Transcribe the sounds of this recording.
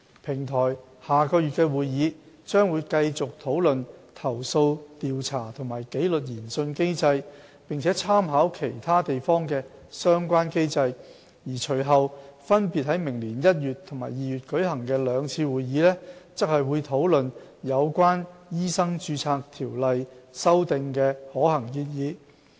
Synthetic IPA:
pʰɪ˨˩ŋt̪ʰɔː˨˩j | haː˨˩kɔː˧jy˨t̚kɛ˧wuː˨jjiː˨˧ | t͡ʃœː˥ŋwuː˨˧jkɐ˧jt͡sʊ˨k̚t̪ʰo˨˥wlɵ˨nt̪ʰɐ˨˩wso˧wt̪iː˨wt͡sʰaː˨˩t̪ʰʊ˨˩ŋmaː˨˩jke˨˥jlɵ˨t̚jiː˨˩nsɵ˧nke˥jt͡sɐ˧j | pɪ˨ŋt͡sʰɛː˨˦˥t͡sʰaː˥mɦaː˨˥wkʰe˨˩jt̪ʰaː˥t̪e˨jfɔː˥ŋkɛː˧sœː˥ŋkʷaː˥nke˥jt͡sɐ˧j | jiː˨˩t͡ʃʰɵ˨˩ɦɐ˨wfɐ˥npiː˨t̚hɐ˨˥jmɪ˨˩ŋliː˨˩njɐ˥t̚jyː˨t̪ʰʊ˨˩ŋma̰ː˨˩jiː˨jyː˨t̚kɵ˨˥jhɐ˨˩ŋkɛː˧lœː˨˧ŋt͡sʰiː˧wuː˨jjiː˨˥lɛː˥t͡sɐ˥k̚hɐ˨jwuː˨˧jt̪ʰo˨˥wlɵ˨njɐ˨˧wkʷwaː˥njiː˥sɐ˥ŋt͡ʃyː˧t͡sʰaː˧k̚t̪ʰiː˨˩wlɐ˨jsɐ˥wt̪ɪ˨ŋkɛː˧hɔː˨˥hɐ˨˩ŋkiː˧t̚jiː˨˧

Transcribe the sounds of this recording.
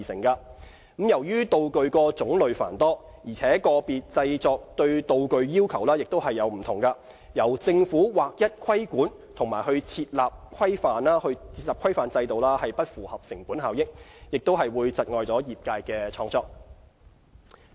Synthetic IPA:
i˨sɪ̰˨˩ŋkɐ˧˨˥ | mjɐ˨˩wjyː˥t̪o˨˧wkɵ˨˧ɥkɔː˧t͡sʊ˨˥ŋlɵ˨ɥfa̰ː˨˩nt̪ɔː˥ | jiː˨˩t͡sʰɛː˨˥kɔː˧piː˨t̚t͡sɐ˧jt͡sɔː˨˧k̚t̪ɵ˧ɥt̪o˨wkɵ˨˧ɥjiː˥wkʰɐ˨˩wlaː˥jɪ˨k̚t̪o˥wɦɐ˨jːɐ˨˧wm̩˨˩t̪ʰʊ˨˩ŋkɐ˧ | jɐ˨˩wt͡sɪ˧ŋfuː˨˥waː˨k̚jɐ˥t̚kʷʰɐ˥jkuː˨˥n | t̪ʰʊ˨˩ŋmaː˨˩jhɵ˧ɥt͡sʰiː˧t̚laː˨p̚kʰɐ˥jfaː˨nlaː˥hɵ˧ɥt͡sʰiː˧t̚laː˨pkʰɐ˥jfaː˨˧nt͡sɐ˧jt̪o˨wlaː˥hɐ˨jpɐ˥t̚fuː˨˩hɐ˨p̚sɪ˨˩ŋpuː˨˥nɦaː˨wjɪ˥k̚jɪ˨k̚t̪o˥wɦɐ˨jwuː˨˧jt͡sɐ˨t̚ŋɔː˨jt͡sɔː˨˥jiː˨˩p̚kaː˧jkɛː˧t͡ʃʰɔː˧ŋt͡sɔː˧k̚

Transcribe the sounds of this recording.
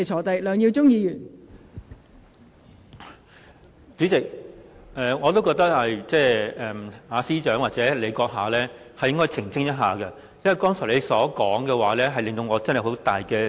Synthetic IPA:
t͡ʃʰɔː˨˩t̪ɐ˨˩jlœː˨˧ŋji˧wt͡sʊ˥ŋjiː˧jyː˨˩n | t͡syː˨˥t͡sɪ˨k̚ʔɛː˨ŋɔː˨˧t̪o˥wkɔː˧k̚t̪ɐ˥k̚hɐ˨jt͡sɛː˥ɛː˨˩maː˨˧siː˥t͡ʃœː˨˥ŋwaː˨˩t͡sɛː˨˥le˨˧jkɔː˧k̚ɦaː˨lɛː˥ | hɐ˨jːɪ˥ŋkɔː˥jt͡sʰɪ˨˩ŋt͡sʰɪ˥ŋjɐ˥t̚ɦaː˨kɐ˧ | jɐ˥wɐ˨jkt̪ɔː˥ŋsʰɔː˨˩le˨˧jsɔː˨˥kɔː˨˥ŋkɛː˧waː˨˦lɛː˥ɦɐ˨jlɪ˨ŋt̪o˧wŋɔː˨˧t͡sɐ˥nhɐ˨˩jho˨˥wt̪aː˨˩jkɛː˧

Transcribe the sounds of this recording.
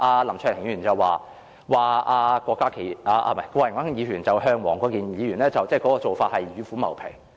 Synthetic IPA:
ʔaː˧lɐ˨˩mt͡ʃʰœː˨˩˨ŋ˧yː˨˩nt͡sɐ˨waː˨˧ | waː˨aː˧kʷɔː˧kːaː˥kʰe˨˩ʔaː˧ʔa̰˧mɐ˨˩kʷɔː˧jŋwaː˥i˥ŋjiː˨˧ɥyː˨˩nt͡sɐ˨wɦœː˥ŋwɔː˨˩ŋkɔː˨˥kiː˨njiː˨˧ɥyː˨˩nlɛː˥t͡sɐ˨wt͡sɛː˥˩kɔː˨˥kɔː˧t͡so˨wfaː˧t̚hɐ˨jɥyː˨˧fuː˨˥mɐ˨˩wpʰḛ˨˩ŋ

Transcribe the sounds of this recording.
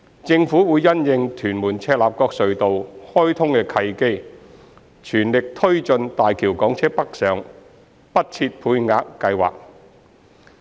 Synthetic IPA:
t͡sɪ˧ŋfuː˨˥wuː˨˧jːɐ˥njɪ˨˧ŋt̪ʰyː˨˩nmuː˨˩nt͡sʰɛː˧t̚laː˨p̚kɔː˧k̚sɵ˨ɥt̪o˨whɔː˥jt̪ʰʊ˥ŋkɛː˧kʰɐ˧jke˥j | t͡ʃʰyː˨˩nlɪ˨k̚t̪ʰɵ˥ɥt͡sɵ˧nt̪aː˨jkʰiː˨˩wkɔː˨˥ŋt͡sʰɛː˥pɐ˥k̚sœː˨ŋ | pɐ˥t̚t͡sʰiː˧t̚pʰuː˧jŋaː˧kːɐ˧jwa̰ː˨k̚

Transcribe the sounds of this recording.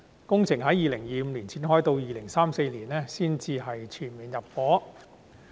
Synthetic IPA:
kʊ˥ŋt͡sʰɪ˨˩ŋɦɐ˨˥jiː˨˩lɪ˨˩ŋjiː˨m̩˨˧liː˨˩nt͡sʰiː˨˥nɦɔː˥jt̪o˧wjiː˨˩lɪ˨˩ŋsaː˥mse˧jliː˨˩nɛː˥siː˥nt͡siː˧ɦɐ˨jt͡ʃʰyː˨˩nmiː˨njɐ˨p̚fɔː˨˥

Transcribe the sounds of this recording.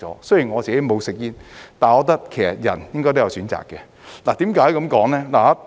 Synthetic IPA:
ɔ̰ː˨˦˥sɵ˥ji˨˩nŋɔː˨˧t͡st͡ɕi˨ke˨˥mo˨˧wsɪ˨k̚jiː˧nt̪aː˨nɔː˨˧t̪ɐ˥k̚kʰe˨˩sɐ̰˨t̚jɐ̰˨˩njɪ˥ŋkɔː˥t̪o˥jsyː˨˥nt͡sa̰ː˨kːɛː˧ | la˨˩t̪iː˨˥mkaː˨˥jkɐ˨˧˥mkɔː˨˥ŋlɛː˥laː˨˩˦

